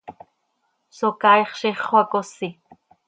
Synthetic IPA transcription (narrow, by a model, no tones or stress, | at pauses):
sokɑjχʃiχwakosi